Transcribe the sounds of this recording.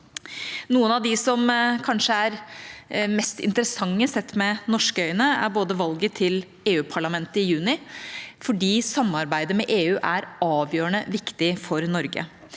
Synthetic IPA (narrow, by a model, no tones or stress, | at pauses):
nuːənɑʋd̪ɪsɔmkʰɑnʂəæɾ | mɛst̪ɪ̰nt̪əɾəsɑŋːəsɛt̪ːmɛnɔʂkəœʏənəæ̰ɾboːd̪əʋɑlɡət̪ʰɪl | eːʉːpʰɑɭɑmɛnt̪əɪjʉːnɪfɔɖiːsɑmːɑɾbæɪd̪əmɛʔeːʉːʔæɾɑːʋjøːəɳəʋɪkt̪ɪfɔɾnɔɾɡə̰